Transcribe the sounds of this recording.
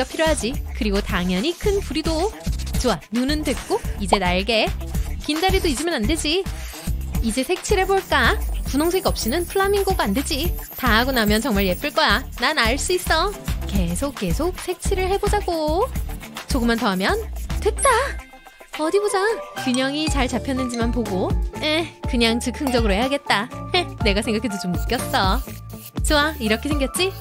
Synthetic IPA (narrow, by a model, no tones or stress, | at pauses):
ʌpʰiɾjoɦad͡ʑikɯɾiɡotaŋjʌɲikʰɯnpuɾidot͡ɕoanunɯndwe̞k̚k͈oid͡ʑe̞naɭɡe̞kindaɾidoid͡ʑɯmjʌnande̞d͡ʑi | id͡ʑe̞sʰe̞k̚t͡ɕʰiɾɦe̞boɭk͈apunoŋs̬ʰe̞ɡiʌp̚ɕ͈inɯnpʰɯɭːamiŋɡoɡaanded͡ʑitaɦaɡonamjʌnt͡ɕʌŋmaɭje̞p͈ɯɭk͈ʌjananaɭs͈uis͈ʌke̞sʰok̚k͈e̞sʰok̚sʰe̞k̚t͡ɕʰiɾɯɭhe̞bod͡ʑaɡo | t͡ɕoɡɯmːantʌɦamjʌntet̚t͈a | ʌdibod͡ʑakiɲʌŋit͡ɕaɭt͡ɕapʰjʌnːɯnd͡ʑimanpoɡojekɯɲaŋt͡ɕɯkʰɯŋd͡ʑʌɡɯɾoheɦaɡe̞t̚t͈ajene̞ɡasʰeŋɡakʰedot͡ɕomːuk͈jʌs͈ʌ | t͡ɕoaiɾʌkʰe̞sʰe̞ŋɡjʌt̚t͡ɕ͈i